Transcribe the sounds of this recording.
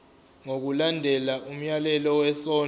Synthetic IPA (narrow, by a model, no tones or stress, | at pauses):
ŋok̬ulandʱɛlaʔum̩jalɛlɔwɛsɔː